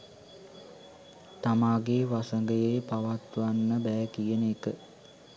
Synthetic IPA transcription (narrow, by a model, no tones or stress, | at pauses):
t̪amaːɡeʋasəŋɡəjeːpaʋat̪ʋanːəbɛjəkijənekə